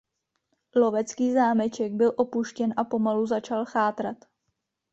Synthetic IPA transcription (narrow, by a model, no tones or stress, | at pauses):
lo̞vɛt͡skiːzaːmɛt͡ʃɛɡ̚bɪlʔo̞puʃcɛnʔapo̞maluzat͡ʃalxaːt̪ɾat̪